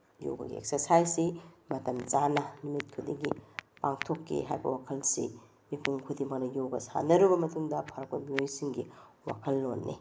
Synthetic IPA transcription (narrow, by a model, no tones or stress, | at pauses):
jo̰wɡɐ̰ɡḭḛk̚seɾsajsimɐtɐmt͡ʃanɐlumit̚kʰudiɡipaŋtʰokːḛɦa̰jbɐ̰wakʰɐlsḭ | mipʰuŋkʰudimɐk̚nɐjoɡɐsa̰nɐɾubɐmɐtuŋdɐpʰɐɾɐk̚ojmiojsiŋɡiwa̰kʰɐlːonːḭ